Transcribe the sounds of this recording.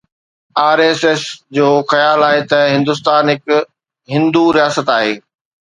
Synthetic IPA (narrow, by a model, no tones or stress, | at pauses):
aːɾeːsɛsd͡ʑoːxɐjaːlaːɦet̪ɐɦɪ̃nd̪ʊst̪aːnɦɪk | ɦɪ̃nd̪uɾijaːsət̪aːɦḛː